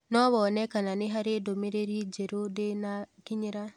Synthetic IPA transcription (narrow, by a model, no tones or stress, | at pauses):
nɔβɔnɛkananɪɦaɾedomeɾeɾid͡ʒeɾodenakiɲiɾa